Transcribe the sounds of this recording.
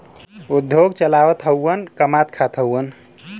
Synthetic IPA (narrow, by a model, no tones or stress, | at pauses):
ud̪ʱːjoɡt͡ʃəlaʋət̪ɦəwːənkəmat̪kʰat̪ʰɦəwən